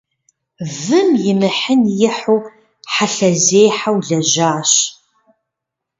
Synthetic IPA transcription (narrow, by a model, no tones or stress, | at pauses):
vɨmjɪmɨħənjɪħuw | ħaɬɐzeːjħawɮɐʒaːɕ